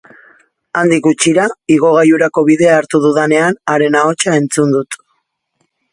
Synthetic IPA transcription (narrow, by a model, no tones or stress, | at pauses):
and̪ikɡut͡ʃiɾaiɣ̞o̞ɣ̞ajuɾako̞βiðe̞aːɾt̪uð̞uðane̞anaɾe̞nao̞t͡ʃae̞nt͡sund̪ut̪